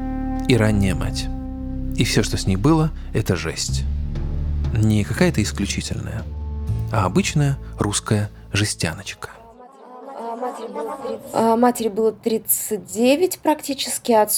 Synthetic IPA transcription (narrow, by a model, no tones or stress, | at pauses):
iɾanʲːɪjəma̰tʲ | ifsʲo̞ʂt̪osʲnʲijbɨlˠə | ɛt̪əʐɛsʲtʲ | nʲɪkɐkajət̪əɪsklʲʉt͡ɕitʲɪ̰lʲnə̰jə | aɐbɨt͡ɕnəjəruskəjə | ʐɨsʲtʲa̰nət͡ɕkə̥ | maɾʲb̪ˠmatʲɪɾʲɪbɨlˠət̪ɾʲit̪sɨt̚ʲdʲevʲɪtʲpɾɐktʲit͡ɕɪ̥skʲɪɐt̪